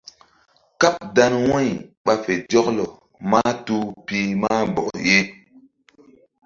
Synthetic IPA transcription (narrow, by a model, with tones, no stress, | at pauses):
ka˦p̚da˦nwɔ̃˦jɓa˨fe˨d͡ʒɔ˦klɔ˨ | maː˦tu˦piː˦maː˦bɔ̰˨kje˦